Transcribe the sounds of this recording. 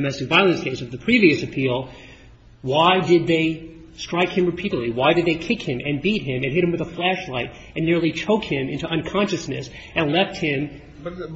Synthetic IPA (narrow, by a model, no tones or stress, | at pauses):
mɛstɨk̚vaɪlˠɨ̃nsɡ̥ẽɪszʌvðɨpʰɹ̥iviɨsɨpʰilˠ | waɪdɪd̪̚ðeɪ | stɹ̥aɪkhɨ̃mɹɨpʰiɾɨdˡliwaɪdɨd̪̚ðeɪkʰɪkhɪ̃mʔɨ̃nbit̚ɦɪ̃mɨ̃nɦɪɾ̚hɨ̃mwɨðəflæʃlaɪɾ | ɨ̃nːɪɹlˠit͡ʃʰoʊkhɪ̃mɪ̃ntuʔʌ̃nkʰɑ̃nʃɨsnɨ̰s | ɨ̃nlɛft̚hɪ̃m